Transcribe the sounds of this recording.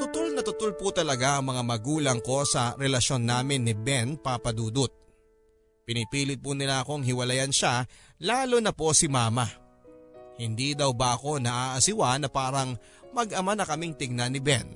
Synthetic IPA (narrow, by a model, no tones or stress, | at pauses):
t̪ʊt̪o̞lnɐt̪ʊt̪olpʊt̪ɐlɐɡaʔɐŋmɐŋamɐɡuːlɐŋko̞sɐɾɛlɐʃo̞nːaːmɪnːɪbɛnpapɐd̪uːd̪ʊt̪̚ | pɪnɪpiːlɪt̪̚pʊnɪlaʔɐko̞ŋɦɪwɐlɐjanʃa | laːlonɐpo̞sɪmaːmɐ | hɪnd̪id̪ɐwbɐʔɐko̞nɐʔaːʔɐsɪwanɐpaːɾɐŋ | mɐɡʔɐmanɐkɐmɪŋt̪ɪɡ̚nanɪbɛn